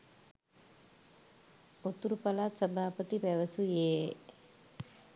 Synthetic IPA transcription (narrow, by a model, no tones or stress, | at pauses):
ot̪ːuɾupɐlaːt̪səbʱaːpət̪ipɛʋəsujeː